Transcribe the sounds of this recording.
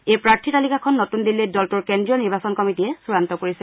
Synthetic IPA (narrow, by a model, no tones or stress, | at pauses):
ejpɹaɹtʰitalikakʰɔnːotundilːejdɔltuɹkɛndɹijɔniɹbasɔnkɔmitiɛsuɹantɔkoɹisɛ